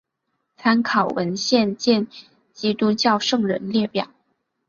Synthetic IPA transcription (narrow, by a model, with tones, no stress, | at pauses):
t͡sʰa˥nkʰɑ˨˩ʊwə˧˥nɕjɛ˥˧nt͡ɕjɛ˥˩n | t͡ɕi˥t̪u˥t͡ɕjɑ˥˧ʊʂɤ˥˩ŋɻə˧˥nljɛ˥˩pjɑ̰˨˩˦ʊ